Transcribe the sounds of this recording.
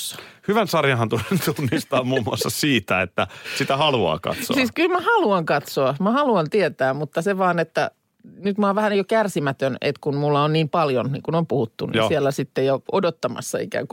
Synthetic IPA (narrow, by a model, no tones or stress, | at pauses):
hyʋænsɑrjɑhɑnt̪unt̪unːist̪ɑːmmuːmuɑ̰sːɑsiːt̪æet̪ːæsit̪æhɑluɑ̰ːkɑ̰t̪so̰siːskylmæhɑluɑŋkɑt̪soɑmæhɑluɑnt̪iet̪æːmut̪ːɑseʋɑːnet̪ːæ | nyt̪mɑːʋʋæhænjokærsimæt̪ønḛt̪kunmulːɑonniːmpɑljonnḭŋkunompuhut̪ːunḭsielːæsit̪ːejoodot̪ːɑmɑ̰sːɑḭkæ̰ːŋku